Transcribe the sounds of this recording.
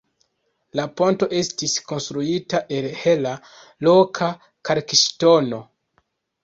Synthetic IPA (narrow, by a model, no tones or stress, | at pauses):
lapo̞nto̞ʔe̞stisko̞nstɾuitaʔe̞lhe̞la | lo̞kʰa | kʰaɾkiʃto̞no̞